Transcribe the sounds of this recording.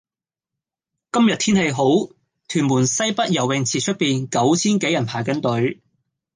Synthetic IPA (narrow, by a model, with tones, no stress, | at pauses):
kɐ˥mjɐ˨t̪ʰiː˥nhe˧jɦo˨˥w | t̪ʰyː˨˩nmuː˨˩nsɐ˥jpɐ˥t̚jɐ˨˩wɪ˨ŋt͡sʰiː˨t͡ʃʰɵ˥t̚piː˨nkɐ˨˥wt͡sʰiː˥nke˨˥jɐ˨˩npʰaː˨˩jkɐ˨˥nt̪ɵ˨˥ɥ